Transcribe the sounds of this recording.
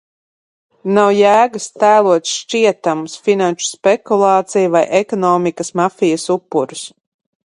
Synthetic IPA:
nawjæːɡast̪æːlˠuɔt̪sʃt͡ʃiɛt̪amusfinanʃu̥spɛkulˠɑːt̪sijuvajʔɛkɔnɔːmikɐsmafijɐsupːuɾus

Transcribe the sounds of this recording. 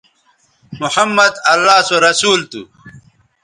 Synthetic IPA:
muħɐmːɐd̪ɐlːaːsoɾɐsuːlt̪ṵ

